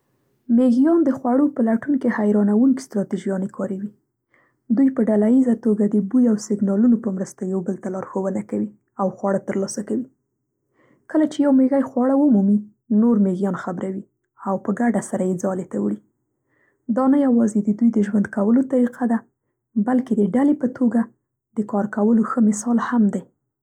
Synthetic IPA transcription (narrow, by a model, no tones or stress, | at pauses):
meɣijɑnd̪əxwaɽopəlaʈuŋkehajɾɑnawuŋki̥st̪ɾɑt̪iʒijɑnekʰɑɾawi | d̪ujpəɖalajizat̪oɡad̪əbujawsɪɡnɑlunopəmɾəst̪ajawbəlt̪alɑɾxowənakawi | awxwɑɽat̪əɾlɑsakawi | kəlat͡ʃejawmeɣajxwɑɽawəmumi | noɾmeɣjɑnxabɾawi | awpəɡaɖasaɾajed͡zɑlet̪awɽi | d̪ɑnajawɑzed̪əd̪ujd̪əʒwand̪kawəlot̪aɾiqʰad̪a | balked̪əɖalepət̪ʰoɡa | d̪̥əkɑɾkawəloxəmɪsɑlhamd̪a